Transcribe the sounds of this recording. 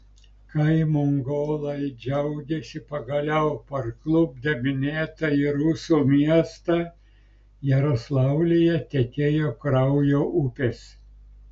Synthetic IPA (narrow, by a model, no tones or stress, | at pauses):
kɐɪmʊŋɡoːlˠɐɪd͡ʒʲɛʊɡʲesʲɪpɐɡɐlʲɛʊpɐɾklˠʊb̚d̪ʲɛmʲɪnʲeːt̪ɐɪɾʊsuːmʲiɛst̪ɑ | jɛɾoslˠɑˑʊlʲɪjɛt̪ʲekʲeːjoːkɾɐʊjoːʔʊpʲes